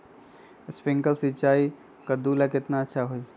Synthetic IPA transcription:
spɪ̃ŋkəlsit͡ʃaːi | kəd̪uːlakɪt̪naətːʃʰaɦoi

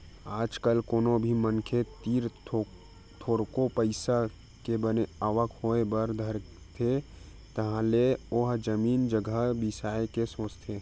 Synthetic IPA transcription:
aːd͡ʒkəlkoːnobʱimənkʰet̪iːɾ | t̪ʰoːɾkopəɪsa | kebəneaʋəkhoːebəɾd̪ʱəɾ | t̪ʰe | t̪ɐɦãleoːɦd͡ʒəmiːnd͡ʒəɡʱəbɪsaːekesəst̪ʰjeː

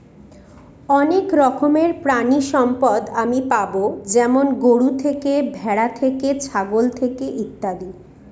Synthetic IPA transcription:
ɔnekɾɔkʰomeɾpɾaniʃɔmpɔd̪amipabod͡ʑɛmonɡoɽut̪ʰekebʱɛɽat̪ʰeket͡ɕʰaɡolt̪ʰekeʔit̪ːad̪i

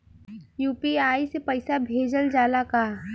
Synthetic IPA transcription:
juːpiaːisepɐɪsabʱeːd͡ʒəld͡ʒaːlakaː

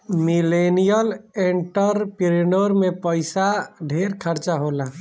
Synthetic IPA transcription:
milenijəleɳʈəɾpiɾinoɾmẽpəɪsaɖʱeːɾkʰəɾt͡ʃaɦoːla

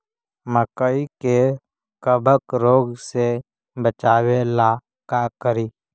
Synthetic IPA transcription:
məkəike | kəbʱəkɾoːɡse | bət͡ʃaːwela | kakəɾiː

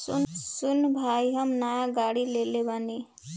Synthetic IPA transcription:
sunsunbʱajɦʌmnajaɡaɽilelebani

